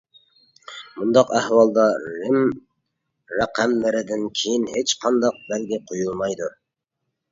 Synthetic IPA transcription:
mund̪ɑqæhwɑlˠd̪ɑɾɪm | ɾæqʰæmlɪɾɪd̪ɪnkʲʰejinhet͡ʃqʰɑnd̪ɑq̚bælɡʲɪqʰojulˠmɑjd̪u

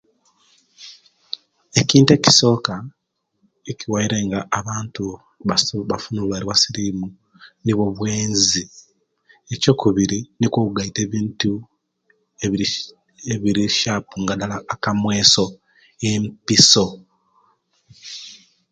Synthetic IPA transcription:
e̞ciːnte̞ci̥so̞ːka | eciwaiɾe̞ŋɡaʔːβaːntu | βaβafunulwaɾwasiɾimu | niβo̞βweːnzi | eco̞kuβiɾinikokuɡaite̞ːβiːntu | eβiɾiʃaːpuŋɡadalaːkamwe̞ːso̞ | empiso̞

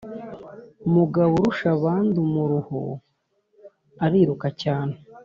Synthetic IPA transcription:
umuɡaβuɾuʃaβaːndumuɾuho̰ | aɾiːɾukacaːne

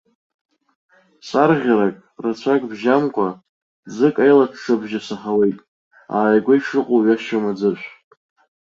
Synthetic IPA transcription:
sʼarʁʲaɾakʼrat͡ɕʷʰakʼbʒamkʷʼa | d͡zɨkʼajlaʈ͡ʂʰʂabʒasaχawejtʼ | a̰ːjɡʷajʂɨqʷʼoɥaʃomad͡zɨʃʷ

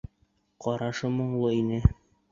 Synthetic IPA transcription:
qɒɾɑʃɤmŏɴlˠɤinɘ

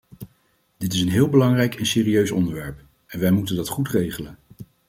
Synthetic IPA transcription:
d̥ɪtɪsənɦɪːlˠbəlɑŋrɛjkʰɛnsɪːriøɥsɔ̰ndəɹʋɛɹp | ɛnʋɛjmutəndɑtχutrejχələn

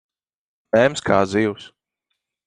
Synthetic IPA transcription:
mɛmskʰaːziːws

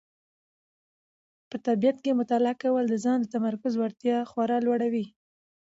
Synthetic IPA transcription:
pət̪abijat̪̚kemʊt̪ɑlɪakawəld̪əzɑnd̪ət̪amaɾkʊzwaɾt̪jɑxwaɾɑlwaɽawi

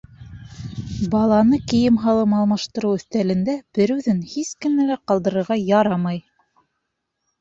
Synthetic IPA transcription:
bɑlˠɑnɤkɘ̆jɘmɦɑlˠɤmɑlˠmɑʃt̪ɤ̆ɾɤwɵ̆θt̪ælɘ̆nd̪æb̥ɘɾʉðɘnhiskɘ̆nælæqɑlˠd̪ɤ̆ɾɤ̆ɾʁɑjɑɾɑmɑj

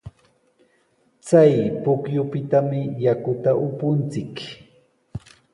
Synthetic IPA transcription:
t͡sajpʊkjʊpɪt̪amɪjakʊt̪aʔʊpʊnt͡sɪk

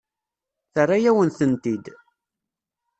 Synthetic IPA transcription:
θərˤːajæwənθənt̪id̪

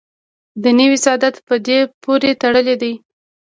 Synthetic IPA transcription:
d̪ənəwisɑd̪at̪pəd̪epʰoɾet̪aɽəled̪aj

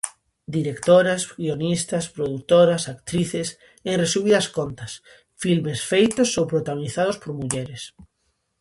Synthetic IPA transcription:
d̪iɾekt̪oɾasɡionist̪aspɾoðuk̚t̪oɾasakt̪ɾiθes | eŋresuβiðaskont̪as | filmesfejt̪osːowpɾot̪aɣoniθað̞ospoɾmuʎeɾes

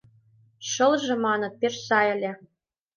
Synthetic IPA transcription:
ʃɤ̆lʒĕmɑnɤ̆t̪̚peʃsɑjɘ̆lʲĕ

